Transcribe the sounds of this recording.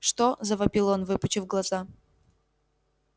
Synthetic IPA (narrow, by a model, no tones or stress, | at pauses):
ʂt̪ozəvɐbʲilˠonvɨpʊt͡ɕɪfɡlˠɐza